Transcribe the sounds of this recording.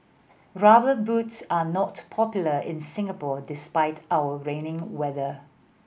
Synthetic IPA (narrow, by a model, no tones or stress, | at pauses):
ɹabəbutsanɔtpʰɔpjuləɪ̰̃nsɪ̃ŋapɔdɪspaɪtʰawəɹẽnɪ̃ŋwɛðə